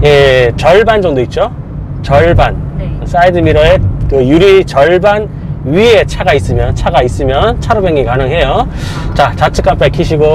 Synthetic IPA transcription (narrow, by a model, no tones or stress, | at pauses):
je̞pjʌɭband͡ʑʌŋdoit̚t͡ɕ͈o | t͡ɕʌɭbans͈aidɯmiɾʌekɯjuɾit͡ɕʌɭban | ɥie̞t͡ɕʰaɡais͈ɯmjʌnt͡ɕʰaɡais͈ɯmjʌnt͡ɕʰaɾobeŋikanɯŋɦe̞jo | t͡ɕat͡ɕat͡ɕʰɯk͈amp͈aɭkʰiɕʰiɡo